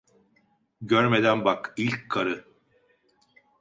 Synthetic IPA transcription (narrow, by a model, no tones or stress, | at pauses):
ɟøɾmed̪ænbakilʲckʰːaɾɯ